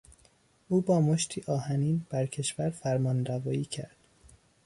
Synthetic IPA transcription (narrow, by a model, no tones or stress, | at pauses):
uːbɒːmoʃt̪ʰiːʔɒːhæniːnb̥æɾcʰe̞ʃvæɾfæɾmɒːnd̪ævɒːiːcʰæ̰ɾd̪̥